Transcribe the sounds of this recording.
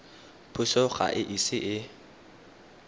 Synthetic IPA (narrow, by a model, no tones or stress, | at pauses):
pʰʊʃɔχa̰ʔɪʔisɪʔɪ